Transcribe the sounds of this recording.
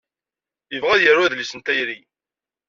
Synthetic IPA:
jəvʁæðjəɾwæðlisənt̪æjɾi

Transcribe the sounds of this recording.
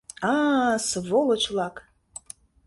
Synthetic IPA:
asvolˠət͡ʃʰlˠɑk

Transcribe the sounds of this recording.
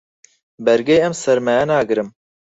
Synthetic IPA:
bɛɾɡejɛmsɛɾmɛɛnaːɡɨɾɨm

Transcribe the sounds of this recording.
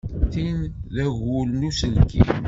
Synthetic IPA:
θinðæʝulnusənkːḭ

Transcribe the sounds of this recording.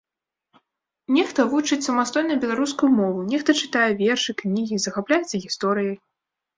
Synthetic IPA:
nʲɛxt̪ɐvut͡ʂɨt͡sʲsɐmast̪ɔjnɐjbʲɛlˠaɾuskujumɔvunʲɛxt̪ɐt͡ʂɨ̥t̪ajɛvʲɛrʂɨknʲiɣʲizɐxaplʲajɛt̪sɐɣʲist̪ɔɾɨjɐj

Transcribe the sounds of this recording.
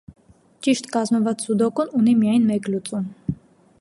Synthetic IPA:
t͡ʃiʃt̪kɑzmɔvɑt͡ssud̪ɔkununimijɑjnmɛklut͡sʼum

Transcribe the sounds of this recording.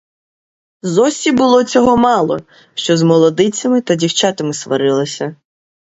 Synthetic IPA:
zɔsʲibʊlˠɔt͡sʲɔɦɔmɑlˠɔ̰ | ʃt͡ʃɔzmɔlˠɔd̪ɪt͡sʲɐmɪt̪ɐdʲiwt͡ʃɑt̪ɐmɪsʋɐ̰ɾɪlˠɐsʲɐ

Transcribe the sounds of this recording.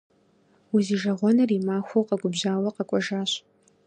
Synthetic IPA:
uziːʒɐʁʷɔnɐrimaːxʷowqɐɡʷʊbʑaːwɐqɐkʷʼɔʒaːɕ

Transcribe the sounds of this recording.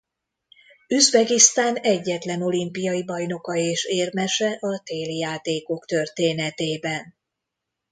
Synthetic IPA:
yzbɛɡist̪aːnɛɟːɛt̪lɛno̞limpijɒjibɒjno̞kɒeːʃeːrmɛʃɛʔɒt̪eːljaːt̪eːko̞kt̪ø̞rt̪eːnɛt̪eːbɛn

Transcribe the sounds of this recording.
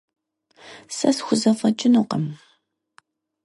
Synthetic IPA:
sɐsxʷʊzɐfɐt͡ʃʼɪnuqɐm

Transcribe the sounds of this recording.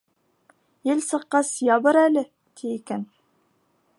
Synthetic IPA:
jɘlsɤ̆qːɑsjɑbɤɾælɘ | t̪ʰiikæn

